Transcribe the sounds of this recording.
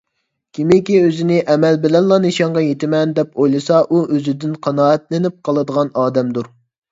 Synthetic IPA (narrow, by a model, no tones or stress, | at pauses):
kʲʰimɪkʲiøzɪnɪʔɛmɛlbɪlɛnlˠɑnɨʃɑɴʁɑjet̪ɪmɛnd̪ɛpʰojlˠɨsɑʔuʔøzɪd̪ɪnqʰɑnɑːɛt̪lɪnɪp̚qʰɑlˠɨd̪əʁɑnɑːd̪ɛmd̪uɾ